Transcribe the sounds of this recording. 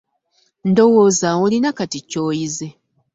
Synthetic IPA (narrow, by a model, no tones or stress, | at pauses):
ndo̞woːzawolinakatico̞ːjize